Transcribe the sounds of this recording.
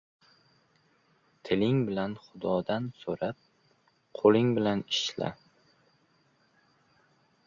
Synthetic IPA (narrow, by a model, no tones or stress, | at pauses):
t̪ʰɪlɪŋbɪlanχʊd̪ɒd̪ansoɾap̚ | qʰolɪŋbɪlanɪʃla̰